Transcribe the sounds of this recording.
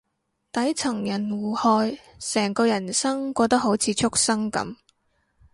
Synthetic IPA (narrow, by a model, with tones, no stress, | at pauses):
t̪ɐ˨˥jt͡sʰɐ˨˩ŋjɐ˨˩nwuː˨˩hɔː˧jsɛː˨˩ŋkɔː˧jɐ˨˩nsɐ˥ŋkʷɔː˧t̪ɐ˥k̚ho˨˥wt͡sʰiː˨˧t͡ʃʰʊ˥k̚sɐ˥ŋkɐ̰˨˥m